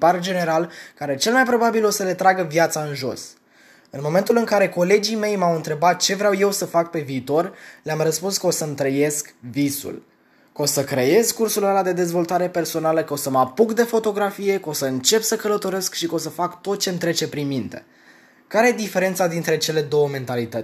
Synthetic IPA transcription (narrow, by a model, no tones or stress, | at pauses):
pard͡ʒe̞ne̞ɾalkaɾe̞t͡ʃe̞lmajpɾo̞babilo̞səle̞t̪ɾaɡəvjat̪saɨnʒo̞̰s | ɨnmo̞me̞nt̪ulɨŋkaɾe̞ko̞le̞d͡ʒime̞jmawɨnt̪ɾe̞bat̪̚t͡ʃe̞vɾawje̞wsəfak̚pe̞viːt̪o̞rleamrəspunskəo̞səmt̪ɾəje̞skvisṵl | ko̞səkɾe̞je̞zkursulalad̪e̞d̪e̞zvo̞lt̪aɾe̞pe̞rso̞naləkəo̞səmapuɡd̪e̞fo̞t̪o̞ɡɾafije̞kəosəɨnt͡ʃe̞psəkələt̪o̞ɾe̞skʃikəo̞səfakt̪o̞t̪̚t͡ʃe̞mnt̪ɾe̞t͡ʃe̞pɾinmint̪e̞̥̰ | kaɾejed̪ife̞ɾe̞nt̪sad̪int̪ɾe̞t͡ʃe̞le̞d̪o̞wəme̞nt̪alit̪ətʲ